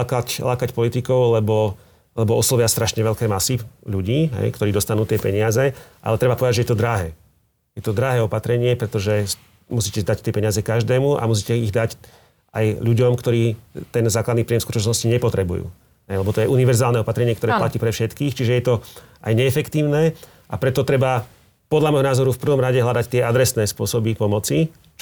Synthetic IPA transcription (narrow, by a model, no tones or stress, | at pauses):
kaclaːkacpɔlit̪ikɔʊlɛbɔ | lɛbɔɔslɔʋɪast̪ɾaʃɲɛʋɛʎkɛːmasiʎuɟiːɦɛ̰jkt̪ɔɾiːd̪ɔst̪anuːt̪ɪɛpɛɲɪazɛʔa̰lɛt̪ɾɛbapɔʋɛd̪aɟd͡ʒʒɛjɛt̪ɔd̪ɾaɦɛː | jɛt̪ɔd̪ɾaɦɛːɔpat̪ɾɛɲɪɛpɾɛt̪ɔʒɛ | musiːcɛd̪act̪ɪɛpɛɲɪazɛkaʒd̪ɛːmuʔa̰mus̬iːcɛiɣd̪ac | a̰jʎuɟɔmkt̪ɔɾiːt̪ɛnzaːklad̪niːpɾijɛmskutɔt͡ʃnɔsciɲɛpɔt̪ɾɛbṵjṵː | ɦɛjlɛbɔt̪ɔjɛʔuniʋɛɾzaːlnɛɔpat̪ɾɛɲɪɛkt̪ɔɾɛːpplaciːpɾɛfʃɛt̪kiːxt͡ʃiʒɛjɛt̪ɔʔajɲɛɛfɛkt̪iːʊnɛː | ʔapɾɛt̪ɔt̪ɾɛba | pɔd̪ʎamɔjɦɔnaːzɔɾufpr̩ʋɔmɾaɟɛɦlad̪act̪ɪɛad̪ɾɛsnɛːspʊɔsɔbipɔmɔt͡si